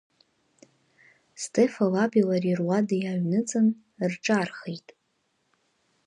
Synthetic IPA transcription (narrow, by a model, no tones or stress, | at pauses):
stʰefalabilarirwadajaɥnɨt͡sʼɨn | rʈ͡ʂʼarχejtʼ